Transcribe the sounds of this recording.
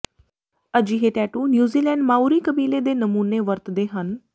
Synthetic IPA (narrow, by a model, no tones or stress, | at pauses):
əd͡ʒiːɦeːʈɛːʈuːnjuːziːlɛːɳɖmaːuːɾiːkəbiːleːd̪eːnəmuːneːʋəɾt̪d̪eːɦən